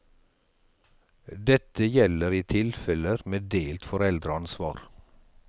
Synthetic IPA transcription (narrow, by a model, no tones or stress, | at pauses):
d̪ɛt̪əjɛləɾiːt̪ʰɪlfɛləɾmeːd̪eːlt̪fɔɾɛld̪ɾəɑnsʋɑːɾ